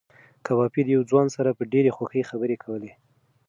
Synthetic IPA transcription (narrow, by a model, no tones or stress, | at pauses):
kabɑpid̪əjawd͡zwɑnsaɾapəɖeɾexwaxəjxabəɾekʰawəle